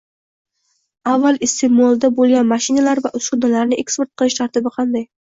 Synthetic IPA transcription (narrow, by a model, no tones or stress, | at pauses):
avːalˠɪst̪ʰemolˠd̪abolˠɡʲanmaʃɪnalaɾvaʔʊsʊd̪alaɾnɪʔe̞kspe̞ɾt̪̚qʰɨlˠɪʃt̪ʰaɾt̪ɪbɪqʰɑnd̪aj